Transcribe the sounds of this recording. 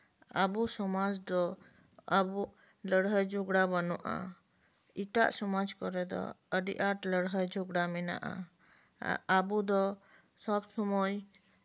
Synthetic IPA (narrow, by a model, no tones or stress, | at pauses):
abusɔmad͡ʒd̪ɔ | abu | ləɽɦəjd͡ʒuɡɽabənuʔa̰ | iʈa̰ʔsɔmad͡ʒkɔɾɛd̪ɔ̰ | əɖḭʔaʈləɽɦəjd͡ʒuɡɽamɛna̰ʔa̰ | abud̪ɔ | sɔbsɔmɔj